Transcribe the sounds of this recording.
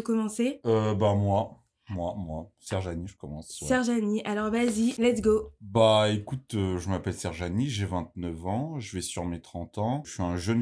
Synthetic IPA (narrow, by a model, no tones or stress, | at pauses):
əkɔmɑ̃seøbamwa | mwamwasɛʁʒaniʒəkɔmɑ̃ssɛʁʒaniʔalɔʁvazilɛt̪sɡobaekut̪øʒəmapɛlsɛʁʒaniʒevɛ̃t̪̚nœvɑ̃ʒəvɛsyʁmet̪χɑ̃t̪ɑ̃ʃɥiɛ̃ʒən